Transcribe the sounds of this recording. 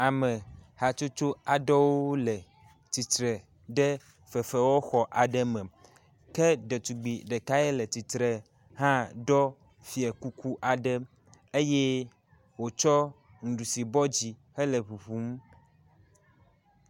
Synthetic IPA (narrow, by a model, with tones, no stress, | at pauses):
a˨mẽ˨ha˨t͡ʃo˦t͡ʃo˦a˨ɖɔ˦wo˦lɛ˨ | t̪i˨t̪ɾɛ˨ | ɖɛ˦ | fɛ˨fɛ˨wo˦xɔ˨ʔa˨ɖɛ˦mɛ̃˨ | kɛ˦ɖe˨t̪u˨ɡ͡bi˨ɖe˨ka˦ɛ˦le˨t̪i˨t̪ɾɛ˨ | ɦã˦ɖɔ˦ | fi˨ɛ˨ku˦ku˦ʔa˨ɖɛ˦ | e˦je˦ | wo˨t͡ʃɔ˦ | ŋu˨ɖu˨si˨bɔ˦d͡ʑi˨hɛ˦le˨βu˨ɸu˦m˦